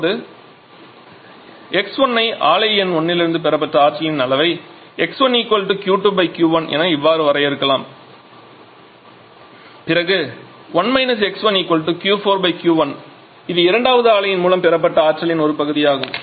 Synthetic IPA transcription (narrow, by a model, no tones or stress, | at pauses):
ðɯ | ɛksɔnːɐɪʔaːlɐɪɛnɔɳːɪlɪɾɯnd̪ɯpɛɾɐp̬ːɐʈːɐaːʈʈɾɐlɪnɐlɐʋɐɪ | ɛksʋɐniːkːɔlʈːɯkjuːʈːuːbɐɪkjuːʋɐnɛ̰nɐɪʋːaːɾɯʋɐɾɐjɪɾɯkːɐlaːm | pɪɾɐɣɯ | ʋɐnmɐɪnɐs̬ɛksʋɐniːkːɔlʈːɯkjuːfoːɾbɐɪkjuːʋɐn | ɪðɯɪɾɐɳɖaːʋɐðɯaːlɐjɪnmuːlɐmpɛɾɐpːɐʈːɐaːʈt͡ʃɐlɪnɔɾɯpɐɣɯðɪjaːɣɯm